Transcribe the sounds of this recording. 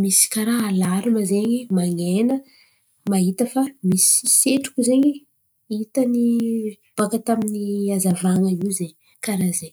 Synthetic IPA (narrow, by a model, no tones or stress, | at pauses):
misi̥kaɾaalaɾuməzeɲimaŋenə | maɦit̪əfamisiseʈ͡ʂu̥kʲuzeɲi | it̪əni | b̥akat̪aminiazavaŋəiwzeɲ | kaɾazeɲ